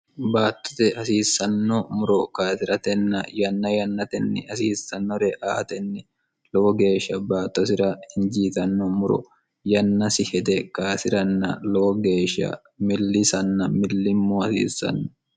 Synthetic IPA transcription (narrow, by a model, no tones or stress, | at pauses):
baːt̪ːɔ̥t̪ɪhɐsiːsːɐnːɔmʊɾɔkaːsɪɾɐt̪ɛnːɐjɐnːɐjɐnːɐt̪ɛnːɛ̰hɐsiːsːɐnːɔɾɛʔa̰ːt̪ɛnːɛ | lɔɔɡe̞ːʃːɐbaːt̪ːɔsɪɾɐhɪnd͡ʒiːt̪ɐnːɔmʊɾɔ̰ | jɐnːɐsɪhɛd̪ɛkaːsɪɾɐnːɐlɔɔɡe̞ːʃːɐ̰ | mɪlːɪsɐnːɐmɪlːɪmːoːhɐsḭːsːɐ̰nːɔ